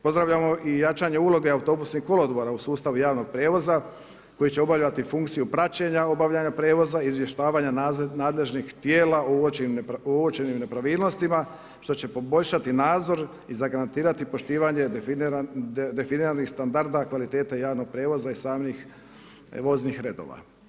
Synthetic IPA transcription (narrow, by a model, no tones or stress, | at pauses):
po̞zd̪ɾaʋʎamo̞ʔijat͡ʃaːɲe̞ulˠo̞ɡe̞aut̪o̞busnixkːo̞lod̪boɾausuːst̪aʋujaːʋno̞ɡ̥̚pɾeːʋo̞za | ko̞jit͡ɕe̞obaʋʎat̪ifuŋkt̪sijupɾat͡ɕe̞ɲao̞baʋʎʲaɲapɾeːʋo̞zaiːzʋje̞ʃt̪aːʋaːɲanaːd̪le̞ʒnixt̪jeːlaooeimoʋot͡ʃenimne̞pɾaʋiːlno̞st̪ima | ʃt̪o̞t͡ɕe̞po̞bo̞ʎʃat̪inaːd̪zo̞ɾ | izaɡaɾant̪iːɾat̪ipo̞ʃt̪iːʋaɲe̞ | d̪e̞finiɾanixst̪and̪aɾd̪akʋalit̪e̞ːt̪ajaːʋno̞ɡ̚pɾeːʋo̞zaisaːmnix | ʋo̞znixɾe̞d̪o̰ʋa̰